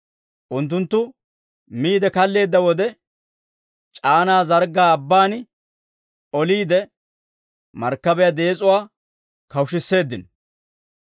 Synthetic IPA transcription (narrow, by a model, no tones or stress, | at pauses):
ʔʊnt̪̬ːʊnt̪ːʊ | miːd̪ɛkɐlːe̞ːd̪ːɐwɔd̪ɛ | t͡ʃʼaːnaːzɐɾɡaːɐbːaːn | ɔliːd̪ɛ | mɐɾkːɐbɛjad̪eːt͡sʼʊwaː | kɐwʃɪsːe̞ːd̪ːɪn